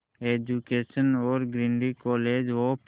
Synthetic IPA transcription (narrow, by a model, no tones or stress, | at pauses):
eːd͡ʒukeːʃənoːɾɡɾɪ̃nɖikɔːleːd͡ʒʋop